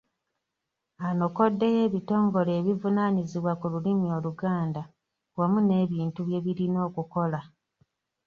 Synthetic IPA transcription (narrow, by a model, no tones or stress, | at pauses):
ano̞ko̞dːe̞je̞ːβito̞ːŋɡo̞le̞ːβivunaniziβwakululimio̞luɡaːnda | wamune̞ːβiːntuβje̞βiɾino̞ːkuko̞la